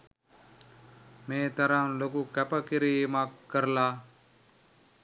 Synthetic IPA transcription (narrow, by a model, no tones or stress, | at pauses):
meːt̪ɐɾãnlokukɐpɐkiɾiːmakːəɾlaː